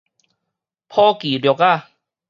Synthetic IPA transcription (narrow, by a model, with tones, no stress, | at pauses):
pʰɔː˧kiː˨˦ljka˥˩˨